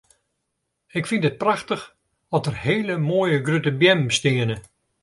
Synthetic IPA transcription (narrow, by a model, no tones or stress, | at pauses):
ɪkfindət̚praxtəx | ɔtərheːləmoːjəɡrytəbjɛmstɪənə